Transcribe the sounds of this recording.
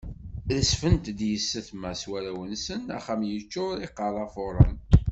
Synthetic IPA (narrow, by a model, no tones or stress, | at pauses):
ðəsfənt̪d̪jəsːəθmæswæɾæwənsənæ̰χæmjət͡ʃːʊɾiqːɑlˤɑfoɾˤə̰n